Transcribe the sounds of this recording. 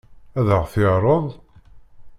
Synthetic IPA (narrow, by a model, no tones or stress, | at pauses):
æðəʁθɪʁɾˤəðˤ